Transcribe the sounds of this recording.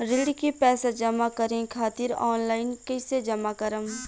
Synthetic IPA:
ɾɪlɽkipɛːsad͡ʒɐmakəɾẽkʰaːt̪ɪɾɔːnlaːɪnkɐsed͡ʒɐmakəɾəm

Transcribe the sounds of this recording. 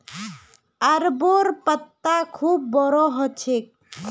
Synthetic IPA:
əɾboɾpət̪ːakʰuːb̚ːɔɾɔɦɔt͡ʃʰek̚

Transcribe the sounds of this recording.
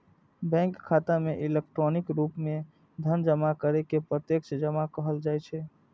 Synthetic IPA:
bɛ̃ŋkʰːat̪ameʔilek̚ʈɾonikɾupme | d̪ʱənd͡ʒəmakəɾekepɾət̪jekt͡ʃʰd͡ʒəmakəɦəld͡ʒajt͡ʃʰɛ

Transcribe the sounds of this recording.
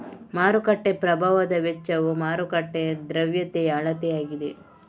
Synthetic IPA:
maːɾukɐʈːepɾɐbʱaːʋɐd̪ɐʋɛt͡ʃːɐʋumaːɾukɐʈːed̪ɾɐʋjɐt̪ejɐːɭɐt̪ɛjaːɡid̪e

